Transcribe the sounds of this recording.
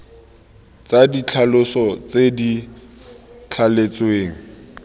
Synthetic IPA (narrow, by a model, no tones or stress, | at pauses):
t͡sadit͡ɬʰalʊsɔt͡sedi | t͡ɬʰalet͡sweːŋ̩